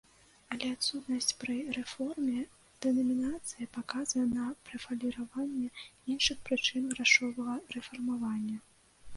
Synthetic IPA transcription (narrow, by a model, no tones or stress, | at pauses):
ɐlʲɛat̪sut̪nɐsʲt͡sʲpɾɨrɛfɔrmʲɛ | d̪̥ɛnɐmʲinat̪sɨjɐpakazvɐjɛnɐpɾɛfɐlʲiɾavanʲːɛinʂɨxpɾɨt͡ʂɨnɣɾaʂɔvɐɣɐrɛfɐrmavanʲːɐ